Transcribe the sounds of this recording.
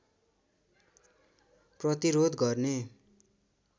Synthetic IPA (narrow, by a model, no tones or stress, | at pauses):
prʌt̪iɾod̪ɡʌrne